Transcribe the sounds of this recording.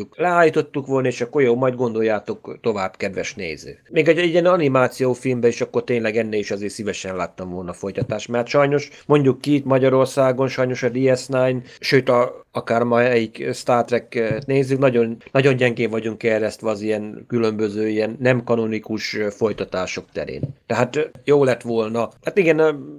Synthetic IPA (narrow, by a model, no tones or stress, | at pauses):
uklɛaːljit̪o̞t̪ːukʋo̞lnɒeːʃɒkːo̞rjoːmɒjd̪̚ɡo̞nd̪o̞jːaːt̪o̞kt̪o̞vaːb̥kɛd̪ʋɛʃnḛːzø̰ːmeːɡɛijɛnɒnimaːt̪sijoːfilmbɛiʃɒkːo̞rt̪eːɲlɛɡɛnːeːliʃɒzeːrsivɛʃɛnlaːt̪ːɒɱvo̞lnɒfo̞jt̪ɒt̪aːʃt̪mɛt̪ʃɒjno̞ʃ | mo̞ɲɟukːit̪mɒɟɒɾo̞rsaːɡo̞nʃɒjno̞ʃɒd̪iɛsnaːjnʃøːt̪ɒɒkaːrmɒɛikst̪aːrt̪rɛkːt̪neːzːyknɒɟo̞nnɒɟo̞nɟɛŋɡeːɱvɒɟuŋkːɛrɛst̪ʋɛɒzijɛnkylø̞mbø̞zøːijɛnːɛmkɒnonikuʃfo̞jt̪ɒt̪aːʃo̞kt̪ɛ̰ɾḛːnt̪ɛɦaːt̪joːlɛt̪ʋo̞lnɒhat̪iɡɛn